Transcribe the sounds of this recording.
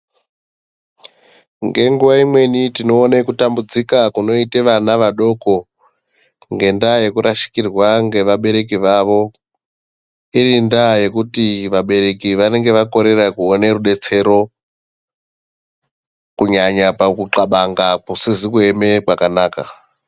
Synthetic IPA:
ŋɡe̞ŋɡuʋaimwe̞nitino̞ːnekutambud͡zikakuno̞iteʋanaʋaɗo̞ko̞ | ŋɡe̞ndaje̞kuɾʔaʃi̥kirwaŋɡe̞ʋaɓe̞ɾe̞k̬iʋaʋo̞ | iɾindaje̞kutiʋaɓe̞ɾe̞kiʋane̞ŋɡe̞ʋako̞ɾe̞rakuoneruɗe̞t͡se̞ɾo̞ | kuɲaɲapakuǁaɓaŋɡakusizikue̞me̞kwakanaːka̰

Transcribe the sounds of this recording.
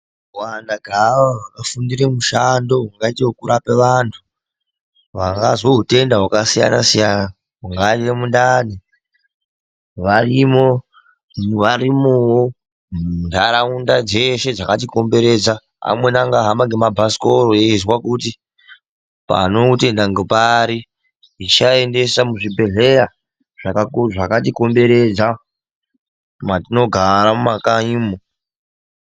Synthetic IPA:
wandaɡʱaʋaakafundiɾemuʃandoɦuŋɡaiteɦokuɾapeʋantʰu̥ | ʋaŋɡazwoɦute̞ndaɦwakasija̰na̰sijana | ɦuŋɡairemundani | ʋarimo̞ | ʋaɾimuwo | ndʱaɾaundad͡ze̞ʃe̞d͡zakatiko̞mbe̞ɾe̞d͡za | a̰mwe̞naŋɡaɦamaŋɡemabʱasi̥koɾoezwakuti | pa̰no̞te̞ndaŋɡepaːɾi | it͡ʃae̞nde̞samuʐibʱe̞ɮe̞ɾa | ʐ̥akaʐakatiko̞mbe̞ɾe̞d͡za | matino̞ɡʱaɾamumakaimo

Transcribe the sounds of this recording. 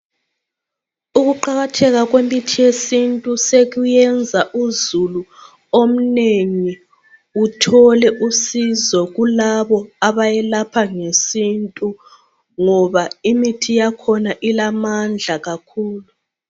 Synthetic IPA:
uɣuǃaɣatʰɛɣaɣwemitʰijesintʼuseɣujɛnd͡zʱaʔuzulu | om̩neŋi | utʰɔlɛʔusizɔɣulaβɔaβajɛlapʰaŋesintʼu | ŋɔβaimitʰijakʰɔnaʔilamand͡ɮʱaɣakʰuːlu

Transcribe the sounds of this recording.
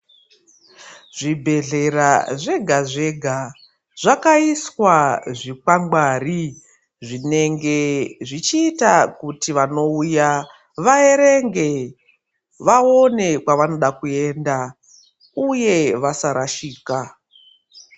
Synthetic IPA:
ʐ̥ibʱe̞ɮe̞ɾaʐe̞ɡʱaʐe̞ɡʱa | ʐ̥akaiswaʐikaŋɡwaːri | ʐine̞ŋɡe̞ʐit͡ʃiːtakutiʋano̞uja | ʋae̞ɾe̞ŋɡe̞ | ʋao̞ne̞kwaʋano̞ɗakue̞nda | uje̞ʋasaɾaʃiːka

